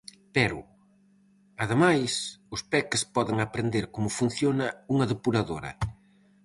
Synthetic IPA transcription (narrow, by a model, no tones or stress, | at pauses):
pɛɾʊ̰ | ɐðemajsʊspɛkɪspɔðɪŋapɾend̪eɾkomʊfun̟θjonɐuŋɐðepuɾaðoɾɐ̰